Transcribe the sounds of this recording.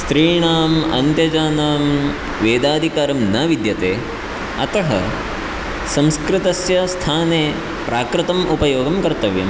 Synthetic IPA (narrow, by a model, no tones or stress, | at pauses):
st̪ɾiːɳaːmɐ̰nt̪jɐd͡ʒaːnaːm | ʋeːd̪aːd̪ʱikaːɾɐmnɐːʋid̪jɐt̪eː | ɐt̪ʰɐɦɐ | sɐ̃mskɾɪt̪ɐsjɐst̪ʰaːneː | pɾʔaːkɾɪt̪ɐmupɐjoːɡɐmkɐɾt̪ɐʋjɐ̰m